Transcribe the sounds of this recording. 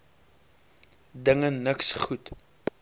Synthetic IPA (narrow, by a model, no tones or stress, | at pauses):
dəŋənəksχut